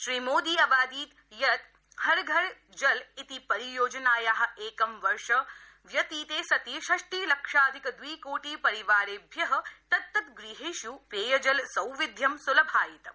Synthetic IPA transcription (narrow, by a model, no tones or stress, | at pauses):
ʃɾimoːd̪iːɐbaːd̪iːt̪ | jɐt̪ | hɐɾɡʱɐɾ | d͡ʒɐlit̪ipɐɾijoːd͡ʒɐnaːjaːɦɐ̆eːkɐmʋɐɾʃɐ | ʋjɐt̪iːt̪eːsɐt̪iʃɐʂʈiːlɐkʂaːd̪ʱikɐd̪ʋiːkoːʈiːpɐɾiʋaːɾeːbʱjɐɦɐt̪ɐt̪ːɐt̪ɡɾiɦeːʃupɾeːjɐd͡ʒɐlsɐwʋid̪ʱjɐmsulɐbʱaːjit̪